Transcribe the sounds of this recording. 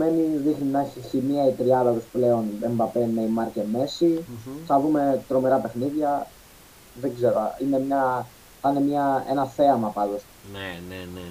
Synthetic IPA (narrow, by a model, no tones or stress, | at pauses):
me̞niðixninɐiçimiɐit̪ɾiɐðɐðosple̞o̞nembɐpenːeimɐɾceme̞siθɐðume̞t̪ɾo̞me̞ɾɐpe̞xniðʝɐ | ðeɡze̞ɾoɐ̰ine̞mɲɐ | t̪ɐnemɲɐe̞nɐθe̞ɐmɐpɐd̪o̞s | enee